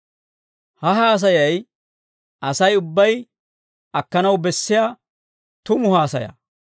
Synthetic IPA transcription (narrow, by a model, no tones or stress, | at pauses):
hɐɦaːs̬ɐjɐj | ʔɐsɐjʊbːɐj | ɐkːɐnɐwbɛsːɪja | t̪ʊmʊhaːsɐ̰jɐ̰